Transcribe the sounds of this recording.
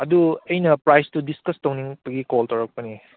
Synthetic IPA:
ɐduɐjnɐpɾajstudiskɐstowniŋbɐɡikoltɐwɾɐk̚pɐni

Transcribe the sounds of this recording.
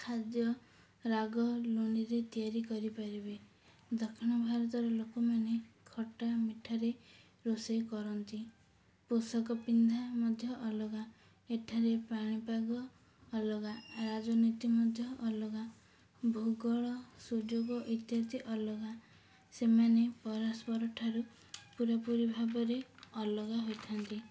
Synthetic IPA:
kʰad̪jɔ | ɾaɡɔloniɾet̪iaɾikɔɾipaɾibe | d̪ɔkʰiñɔbʱaɾɔt̪ɔɾɔlokɔmanekʰɔʈamiʈʰaɾe | ɾosɔjkɔɾɔnt̪i | posɔkɔpind̪ʱamɔd̪ʱjɔʔɔlɔɡa | eʈʰaɾepaɽ̃ipaɡɔː | lɔɡaɾad͡ʒɔnit̪imɔd̪ʱjɔʔːlɔɡa | bʱuɡɔɭɔsud͡ʒoɡɔʔit̪jat̪iʔɔlɔɡa | semanepɔɾaspɔɾɔʈʰaɾu | puɾapuɾibʱabɔɾeɔlɔɡaɦojt̪ʰant̪i

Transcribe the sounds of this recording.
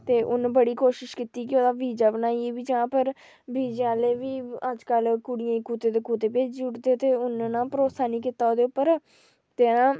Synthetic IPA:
t̪eːʔʊnbəɽiːkoːʃɪʃkit̪iːkɪoːd̪aːʋiːd͡ʒaːbənaːieːbiːd͡ʒəãːpəɾ | biːd͡ʒãːleːʋiːəd͡ʒkəlkʊɽɪjãikuːt̪eːd̪eːkuːt̪eːpeːd͡ʒd͡ʒʊɽd̪eːt̪eːʊnnãːpəɾoːsaːniːkɪt̪aːoːd̪eːʊpːəɾ | t̪eːnãː

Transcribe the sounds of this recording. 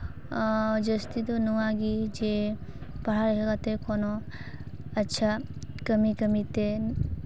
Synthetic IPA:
d͡ʒɐst̪it̪unuʋaɡid͡ʒe | pɐɦaɾkɐkat̪ekono | ɐtːʃʰakɐmikɐmit̪e

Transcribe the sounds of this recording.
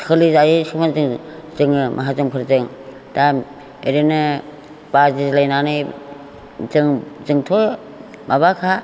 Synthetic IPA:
kʰɯlizaɾisʰɯmanzɯŋzɯŋɯmʔaɦazumkʰɯɾzɯŋ | tam | eɾɯnɯ | bazizlajnanɯj | zɯŋzɯŋtʰɔ | maβakʰa

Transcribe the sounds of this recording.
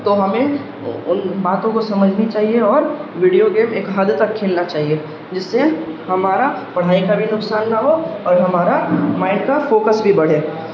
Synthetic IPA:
t̪oɦɐmẽ | ʊnbaːt̪õkosɐməd͡ʒʱnit͡ʃaːɦieɔːɾʋiːɖijoɡeːmeːkɦɐd̪t̪ɐkʰːeːlnat͡ʃaːɦie | d͡ʒɪsːeɦɐmaːɾapɐɽ̤aːikabʱinʊksaːnːaɦoɔːɾɦɐmaːɾamaːɪnkafoːkəsbʱibɐɽ̤eː

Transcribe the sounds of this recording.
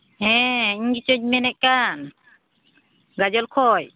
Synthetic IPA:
ɦɛ̃iɲɡit͡ʃɔɲ̚mɛnɛʔ̚kan | ɡad͡ʒɔlkʰɔj

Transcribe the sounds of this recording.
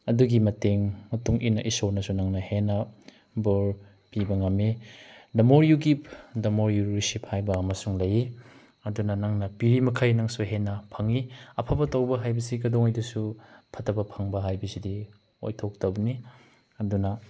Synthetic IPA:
ɐduɡimɐteŋmɐtuŋʔinɐʔisonɐsunɐŋnɐhenɐ | boɾ | pibɐŋɐmːidɐmoɾjuɡipdɐmoɾjuɾɾisiphajbɐːmɐsuŋlɐji | ɐdunɐnɐŋnɐpiɾimɐkʰɐjnɐŋsuɦenɐpʰɐŋiɐpʰabɐtɐwbɐɦajbɐsiɡɐdoŋɐjdusupʰɐtʰːɐbɐpʰɐŋbɐɦajbɐsidi | o̰jtʰok̚tɐbɐni | ɐdunɐ

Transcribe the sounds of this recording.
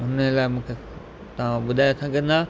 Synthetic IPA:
ʊnəlaːɪmũːkʰe | t̪ɐʋ̤ãɓʊd̪ʱaːjot̪ʰãɡɐ̃nd̪aː

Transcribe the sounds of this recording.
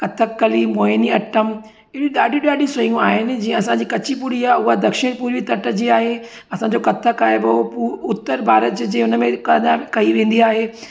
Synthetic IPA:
kɐt̪ʰəkːɐlimoːɪniɐʈəm | ɪiɗaːɖʱĩɗaːɖʱĩsɐjũaːɦɪnɪ̆d͡ʑĩːə̃ɐsãɲd͡ʑiːkɐt͡ɕʰipuɽiaʊɦad̪ɐkʃɪɽ̃puːɾʋit̪ɐʈə̆d͡ʑiaːɦe | ɐsãd͡ʑokɐt̪ʰːəkaːebopuʊt̪ːəɾbʱaːɾət̪d͡ʑd͡ʑeːʊnəmẽkɐɲakɐiʋẽːnd̪iaːɦeː

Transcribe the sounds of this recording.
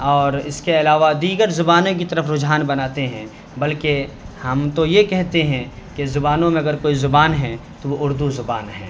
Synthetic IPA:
ɔːɾɪskeɐlaːʋad̪iːɡəɾzʊbaːnõk̬it̪ɐɾəfʰɾʊd͡ʒɦaːnbɐnaːt̪eɦɛ̃ | bɐlke | hɐmt̪ojekɛɦt̪eɦɛ̃ | kezʊbaːnõmẽɐɡəɾkoːizʊbaːnɦɛt̪oʋoʔʊɾd̪uzʊbaːnɦɛ̰̃ː

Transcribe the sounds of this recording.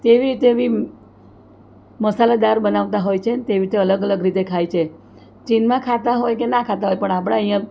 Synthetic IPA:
t̪eʋiɾit̪eʋi | məsalad̪aɾbənaʋt̪aɦojt͡ʃʰent̪eʋiɾit̪eələɡələɡɾit̪ekʰajt͡ʃʰe | t͡ʃinmãkʰat̪aɦojkenãkʰat̪aɦojpəɳap̬əɽ̃aəɦijã

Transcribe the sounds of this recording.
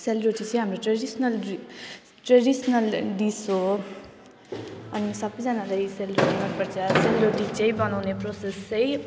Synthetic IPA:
selbɾiʈit͡sʌ̃j̃ɦamroʈreɖisnʌl | ʈrʌɖisʌnʌlɖiso | ʌnisʌbʌjd͡zʌnalajselbisnʌlpʌɾt͡sʰʌselɾeʈit͡sʌ̃ĩbʌnawneprosest͡sʌj

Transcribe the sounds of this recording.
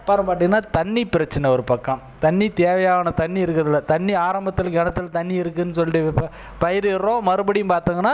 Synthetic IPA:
pːaːɾɐmpaːʈ̬ːɯiŋːɡɐnːaːt̪ɐɳːipɪɾɐt͡ʃːɐnɛɔɾɯpɐkːɐ̃m | t̪ɐɳːit̪eːʋɐjaːʋnɐt̪ɐɳːiɪɾɯkːɾɐðɪlːɐt̪ɐɳːiaːɾɐmbɐt̪ːɯɪlɡɛnɐt̪ːɯlt̪ɐɳːiɪɾɯkːɯnːɯsɔlːɪʈɯ | pɐjɪɾɪrːõːmɐɾɯbɐɽɪjɯmpaːɾt̪ɯːŋɡɐnːaː

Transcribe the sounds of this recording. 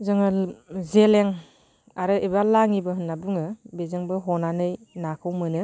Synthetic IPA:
zɯŋɯzeleŋ | aɾɯʔibalaŋibɯɦɯnːabuŋɯbezɯŋbɯɦɔnanɯj | nakʰɯwmɯnɯ

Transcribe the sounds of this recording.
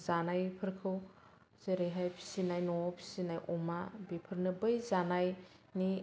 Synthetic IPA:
zanajpʰɯɾkʰɯw | z̥eɾejɦajpʰi̥sinajnɔpʰi̥sinajʔɔmabipʰɯɾnɯbɯjzanaj | ni

